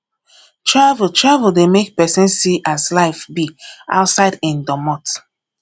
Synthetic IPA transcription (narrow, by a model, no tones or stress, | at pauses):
tʰɹavutʰɹavəldemek̚pɛsɛ̃nsiʔaslaɪfbia̰ʊtsaɪdɪ̃ndɔmɔt